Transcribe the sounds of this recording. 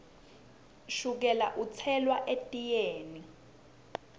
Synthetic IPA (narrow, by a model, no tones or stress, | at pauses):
ʃuk̬ɛla̰ʔut͡sʰɛlwaʔetʼijeːni